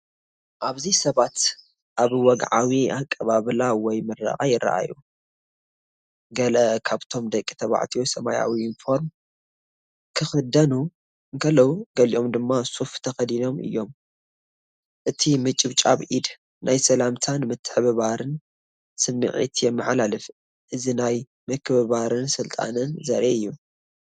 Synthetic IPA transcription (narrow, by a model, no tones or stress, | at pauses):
ʔaβzisɐβat̪ | ʔaβwɔɡʕawiakʼːɐβaβlawɔjmɨɾa̰χʼajɪra̰ʔa̰ju | ɡɐlɐkʰaβt̪ʰo̞md̪ɐkʼːi̥t̪ʰɐβa̰ʕt̪ʰijosɐma̰ja̰wiɪnfo̞ɾm | kʰɨxɨd̪ɐnu | ɨŋkʰɐlːɐwuɡɐliʔo̞md̪ɨmːasuft̪ʰɐxɐd̪ino̞mɨ̰jːo̞m | ʔɨt̪ʰimɨt͡ʃʼɪβt͡ʃʼa̰βʔid̪ | nʔajsɐlamt̪ʰanmɨt̪ʰːɨ̥ħβɨβaɾɨn | sɨmːɨ̰ʕḭt̪ʰjɛmːɨħalalɨf | ʔɨzinaj | mɨkʰɨβɨβaɾɨnsɨlt̪ʼa̰nɨnzɐɾʔeɨjːu